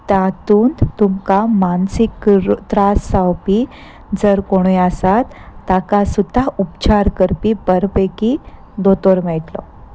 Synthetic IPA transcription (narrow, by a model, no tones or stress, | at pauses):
t̪at̪uːnt̪umkamansikːt̪ɾasawpi | d͡zəɾkoɽ̃ujasat̪ː | akasud̪ʱːaupt͡ɕaɾkəɾpibəɾpeki | d̪ot̪oɾmɛɭt̪lɔ̰